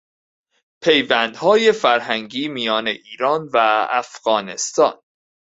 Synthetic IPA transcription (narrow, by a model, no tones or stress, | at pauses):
pʰe̞jvænd̪̥hɒːjefæɾɦæŋɡiːmijɒːne̞ʔiːɾɒːnvææ̰fɣ̥ɒːne̞st̪ɒːn